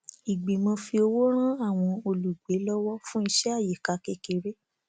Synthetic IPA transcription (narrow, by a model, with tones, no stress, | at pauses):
i˨ɡ͡bi˨mã˧fi˧o˧wo˦ɾ̃ã˦a˦˨w̃ɔ̃˧o˧lu˨ɡ͡be˨˦lɔ˦wɔ˦fũ˦i˧ʃɛ˦a˦˨je˨ka˧kɛ˧ke˨ɾe˦